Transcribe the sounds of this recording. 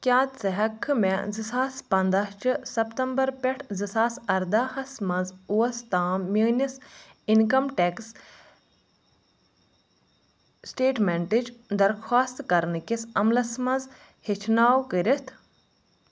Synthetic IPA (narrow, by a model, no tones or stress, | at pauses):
kʲjaːt͡sɐɦɐkʰːɨmezisaːspɐnd̪ɐɦt͡ʃʰɨsɐpt̪ɐmbɐɾpʲeʈʰzisaːsɐɾd̪ahɐsmɐzuʋɐst̪aːiːnis | inkɐmʈeks | sʈeːʈmeɳʈit͡ʃd̪ɐɾxʰwaːst̪kɐɾnɨkisɐmlɐsmɐnz | hit͡ʃʰnaːwkəɾʲit̪ʰ